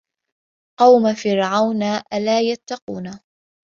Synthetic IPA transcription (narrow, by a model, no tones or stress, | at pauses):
qɑwmafɪɾʕawnaːʔalaːjat̪ːɑquːna